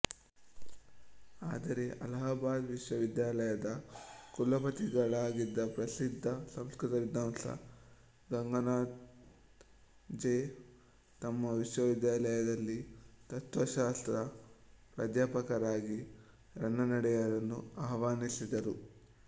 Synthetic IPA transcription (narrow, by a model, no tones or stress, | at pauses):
aːd̪ɐɾe̞ʔɐ̰lɐɦɐbaːd̪ʋiʃʋɐʋid̪jaːlɐjɐd̪ɐkulɐpɐt̪iɡɐɭaːɡid̪ːɐpɾɐsid̪ʱːɐsɐmskɾut̪ɐɾid̪ːaːmsɐ̰ | ɡɐŋɡɐnaː | d͡ʒeː | t̪ɐmːɐʋiʂʋɐʋid̪jaːlɐjɐd̪ɐlːit̪ɐt̪ʋɐʃaːst̪ɾɐpɾɐd̪jaːpɐkɐɾaːɡi | ɾɐnːɐnɐɽɛjɐɾɐnːuaːʋaːnisid̪ɐɾu